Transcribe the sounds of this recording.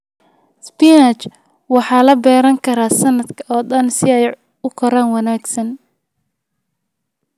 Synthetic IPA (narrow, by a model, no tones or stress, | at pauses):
spinɐt͡ʃ | wɑħɑːlɐbɛːɾɐŋkʰɐɾaːsɐnːɐd̪kʰɐɔːd̪ɐnsɪɛj | ʊkʰɔɾaːnwɑnaːɡsɐn